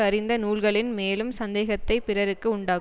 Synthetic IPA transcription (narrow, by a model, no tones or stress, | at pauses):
ɐɾɪnd̪ɐnuːlɣɐɭɪnmeːlɯmsɐnd̪eːɣɐt̪ːɐɪpɪrɐɾɯkːɯʊɳɖaː